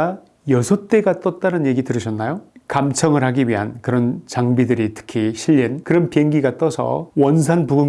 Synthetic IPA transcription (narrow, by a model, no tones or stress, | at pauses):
a | jʌsʰʌt͈e̞ɡat͈ʌt̚t͈anɯnje̞ɡitɯɾɯɕʰʌnːajokamt͡ɕʰʌŋɯɭɦaɡiɥiɦankɯɾʌnt͡ɕaŋbidɯɾitʰɯ̥kʰiɕʰiʎːinkɯɾʌnpieŋɡiɡat͈ʌsʰʌ̰wʌns̬ʰanpuɡɯ